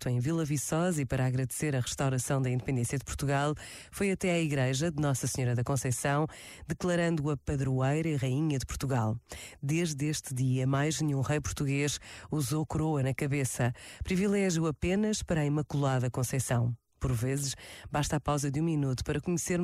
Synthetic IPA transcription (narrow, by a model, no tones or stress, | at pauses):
t̪uɐ̃j̃vilˠɐvisɔzɐipɐɾaːɣɾɐðseɾɐʁɨʃt̪awɾɐsɐ̃w̃d̪ɐĩnd̪ɨpẽnd̪ẽsjɐðɨpuɾt̪uɣalˠ | fojɐt̪ɛaiɣɾɐʒɐðɨnɔsɐsɲɔɾɐðɐkõsɐjsɐ̃w̃ | d̪ɨklˠɐɾɐ̃nd̪uɐpɐðɾuɐjɾɐiʁɐiɲɐðɨpuɾt̪uɣalˠd̪eʒðeʃt̪ɨðiɐmajʒnũʁɐjpuɾt̪uɣeʃuzokɾoɐnɐkɐβesɐpɾivilˠɛʒjuɐpenɐʃpɐɾaimɐkulˠaðɐkõsɐjsɐ̃w̃ | pɔɾvezɨʃbaʃt̪apawzɐðũminut̪u̥pɐɾɐkuɲseɾ